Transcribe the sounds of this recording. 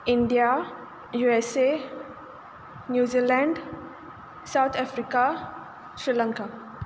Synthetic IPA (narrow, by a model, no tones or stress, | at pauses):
ɪɳɖija | juese | njuːzilɛ̃ɳɖ | saʊt̪ʰɛfɾika | sɾilə̃ŋka